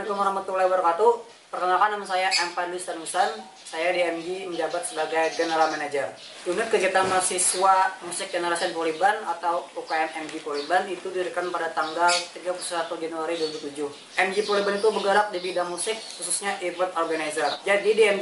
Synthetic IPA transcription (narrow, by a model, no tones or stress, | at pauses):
nkəməɾamət̪ulawərkat̪u | pərkənalkanːamansajaʔɛmpadlist̪anusan | sajadiɛmd͡ʒiməɲd͡ʒabat̪̚səbaɡajɡənəɾamɛnad͡ʒər | unɪt̪̚kəɡiat̪amarsisuamusɪk̚d͡ʒənəɾasiənpolibanat̪awukajanɛmd͡ʒipolibanit̪udiəɾikanpadat̪aŋɡalt̪iɡapulususat̪ud͡ʒanuaɾiduaɾibult̪ud͡ʒʊh | ɛmd͡ʒipolibanit̪ubəɡəɾak̚dibidaŋmusɪk̚hususɲaʔipət̪ɔrɡanazərd͡ʒadidiɛm